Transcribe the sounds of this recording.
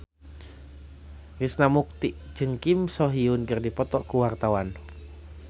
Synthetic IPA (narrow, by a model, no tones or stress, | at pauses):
visnamuk̚t̪iʔd͡ʒɨŋkimsɔɦiunkɨrdipɔt̪ɔʔkuwart̪awan